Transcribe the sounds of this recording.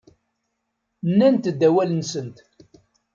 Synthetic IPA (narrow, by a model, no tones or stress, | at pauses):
nːænt̪d̪ːæwælənsənt̪